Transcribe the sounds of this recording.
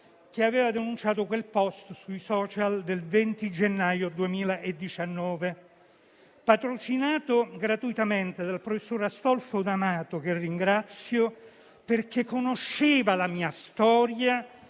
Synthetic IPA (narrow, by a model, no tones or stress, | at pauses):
k̟eaveːvad̪enunt͡ʃaːt̪̬okwelpɔst̪sujsɔːt͡ʃald̪elvɛnt̪id͡ʒenːajod̪uemiːlaʔed̪ːit͡ʃanːɔːve | pat̪ɾot͡ʃinaːt̪oɡɾat̪uit̪ament̪ed̪alpɾofesːoːɾast̪ɔlfod̪amaːt̪ok̟eriŋɡɾat̪sːjo | perk̟ekːonoʃːeːvalamiːast̪ɔːɾja